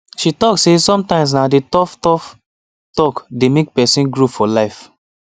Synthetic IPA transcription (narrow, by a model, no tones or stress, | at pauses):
ʃitɔksesɔ̃mtãɪ̃ms̬naditɔftɔf | tɔkdemek̚pɛsĩnɡɹufɔlaɪf